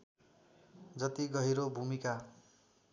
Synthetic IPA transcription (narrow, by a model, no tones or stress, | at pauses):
d͡zʌt̪iɡʌɦiɾobʱumika